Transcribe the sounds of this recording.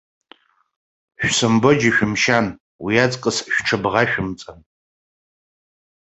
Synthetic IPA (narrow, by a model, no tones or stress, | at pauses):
ʃᶣʷsɨmbɨd͡ʒiʃᶣʊmʃan | wijat͡sʼkʼəsʃʷᶣʈ͡ʂʰɨbʁaʃᶣʊmt͡sʼan